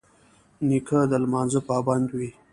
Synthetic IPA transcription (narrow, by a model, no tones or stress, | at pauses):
nikʰad̪əlmɑːnzəpɑːband̪wi